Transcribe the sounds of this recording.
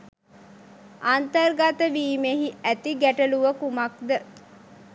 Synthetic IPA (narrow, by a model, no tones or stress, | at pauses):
ant̪ərɡat̪əʋiːmeɦiæt̪iɡæʈəluʋəkumak̚d̪ə